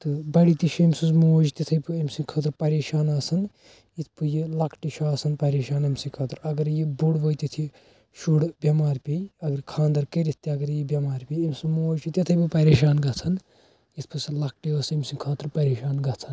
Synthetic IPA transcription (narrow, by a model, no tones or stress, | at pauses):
t̪ɨbɐɽit̪iʃʰemsuzmoːd͡ʒt̪ʲɐt̪ʰɐjpɨɐmsikʰɐːt̪ɾpɐɾeːʃaːnaːsɐn | it̪ʰpɨjilɐkʰʈiʃʰaːsɐnpɐɾeːʃaːnɐmsĩkʰɐːt̪ɾɐɡɐɾjibuɽbojt̪it̪ʰi | ʃuɽbʲɐmaːɾpʲejɐɡɐɾkʰaːnd̪ɐɾkɐɾit̪t̪iɐɡɐɾjibʲɐmaːɾpʲejemʲsɨmoːd͡ʒit̪ʲɐt̪ʰɐjpɨpɐɾeːʃaːnɡɐt͡sʰɐn | it̪ʰpʰɨsilɐk̚ʰʈiɐsemsikʰɐːt̪ɾpɐɾeːʃaːnɡɐt͡sʰɐn